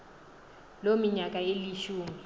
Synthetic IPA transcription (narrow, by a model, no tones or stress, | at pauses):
lomiɲak̬ʼaeliʃuːmi